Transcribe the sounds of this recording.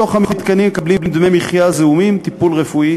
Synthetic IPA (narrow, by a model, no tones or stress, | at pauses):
oχamit̪kanimekabliblimd̪memiχjazeumimt̪ipulʁefui